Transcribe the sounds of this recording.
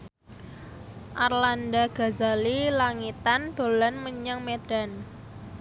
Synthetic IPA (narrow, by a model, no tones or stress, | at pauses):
ʔarlandaɡ̥a̤zalilaŋit̪and̪̥o̤lanməɲaŋmeɖ̥a̤n